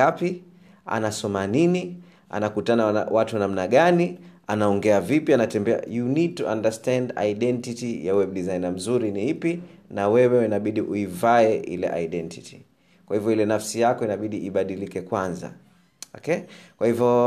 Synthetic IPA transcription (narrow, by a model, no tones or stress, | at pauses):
api | a̰nasɔmanini | a̰nakutana̰watunamnaɠanianaɔŋɡɛavipianatɛmbɛa̰junid̚tuandastɛnda̰iɗɛntitijawɛb̚ɗizainam̩zuɾiniipinawɛwɛwɛnaɓiɗiʔuivaɛʔḭlɛ̰ʔa̰iɗɛntitʰi̥ | kwahivjɔilɛnafsijakɔinaɓiɗiʔiɓaɗilikɛkwanza̰ | ɔ̰kɛkwahivjɔ